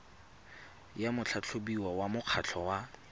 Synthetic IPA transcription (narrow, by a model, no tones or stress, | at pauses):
jamʊt͡ɬʰat͡ɬʰobiwawamʊq͡χʰat͡ɬʰɔwa